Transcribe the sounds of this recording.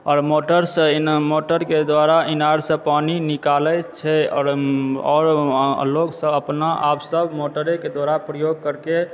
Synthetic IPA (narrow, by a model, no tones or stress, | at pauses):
ɔːɾmoʈəɾsəmoʈəɾked̪waɾainaɾsə̃paninikalɛt͡ʃʰɛɔ̰ːɾɔɾloɡsə̃əpnaʔapsəbʱmoʈəɾeked̪waɾapɾəjoɡ̚kəɾke